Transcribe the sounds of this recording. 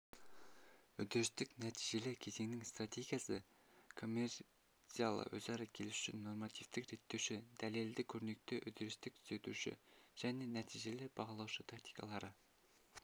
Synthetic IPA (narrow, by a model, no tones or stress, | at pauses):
ʏd̪ɪɾɪst̪ɪknæt̪ʰijʒe̞lɪkʲʰe̞zeŋnɪŋst̪rat̪ʲe̞ɡʲijasə | kʰo̞mʲːer | t̪sijalˠə̰wɵ̰zɑɾɑkʲʰe̞lsʏ̥ʃɪ̰nːo̞rmɑt̪ʰijft̪ɪkɾe̞t̪ːewʃɪd̪æle̞ld̪ɪkʲʰɵɾne̞k̚t̪ɪʔʏd̪ɪɾɪst̪ɪk̚t̪ʰʏ̥ze̞t̪uʃɪ̰ʒ̥æne̞næt̪ʰijʒe̞lɪb̥ɑʁɑlˠɑwʃət̪ʰakt̪i̥jkɑ̰lˠɑɾə